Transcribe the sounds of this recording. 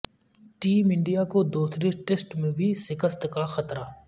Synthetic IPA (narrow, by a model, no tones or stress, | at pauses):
ʈiːmɪ̃ɳɖijakod̪uːsɾeʈeːsʈmẽbʱisɪkəst̪kaxɐt̪ɾaː